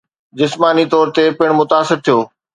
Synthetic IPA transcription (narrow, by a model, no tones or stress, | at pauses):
d͡ʑɪsmaːnit̪ɔːɾt̪epɪɽ̃mʊt̪aːsɪɾt̪ʰijoː